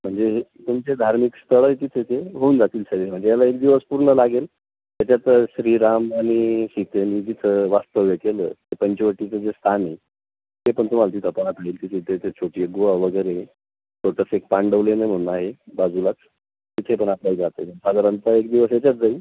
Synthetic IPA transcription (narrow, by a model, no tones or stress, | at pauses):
m̤əɳd͡zeɦet̪umt͡sed̪ʱaɾmikst̪ʰəɭəjt̪it̪ʰet̪ʰeɦouːnd͡zat̪iːlsəɡem̤əɳd͡zejalaek̚d̪iʋəspuɾɳəlaɡel | jjat͡ɕjat̪ɕɾiɾamaɽ̃iɕit̪emiːd͡ʑit̪ʰəʋast̪əʋjəkelət̪epəɲt͡ɕeʋəʈːit͡səd͡zest̪ʰani | t̪epəɳt̪um̤alat̪it̪ʰəpəɳat̪aiːlt̪it̪ʰet̪ʰet̪et͡ɕʰoʈiəɡoʋaʋəɡəjɾe | ʈoʈəsek̚paɳɖəʋlenem̤əɽ̃unaɦebad͡zulat͡s | t̪it̪ʰepəɳaplaid͡zat̪əjməɳsaɡ̪əɾənt̪əekd̪iʋəsjat͡ɕjat̪̚d͡zaiː